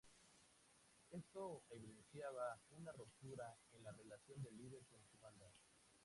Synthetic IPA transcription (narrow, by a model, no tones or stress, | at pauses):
e̞st̪o̞eβiðe̞nsjaβaunarop̚t̪uɾae̞nlare̞lasjo̞nd̪e̞liðeɾsonsuβand̪a